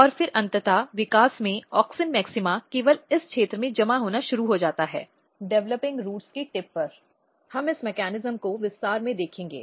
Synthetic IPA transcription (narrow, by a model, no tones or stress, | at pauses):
ɔːɾfɪɾɐ̃nt̪ət̪aʋɪkaːsmẽɔːksɪnmɛːksɪmakeːʋəlɪskʃʰeːt̪ɾəmẽd͡ʒɐmaɦoːnaʃʊɾuɦod͡ʒaːt̪aɦɛ̰ː | ɖɛʋləpɪ̃ŋɡɾuːʈskiʈɪpːɐɾ | hɐmɪsmɛkɛːnɪzəmkoʋɪst̪aːɾmẽd̪eːkʰẽːŋɡḛː